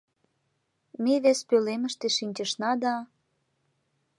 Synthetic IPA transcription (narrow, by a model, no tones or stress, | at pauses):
meβespølemə̆ʃt̪eʃinʲt͡ɕə̆ʃnɑd̪ɑ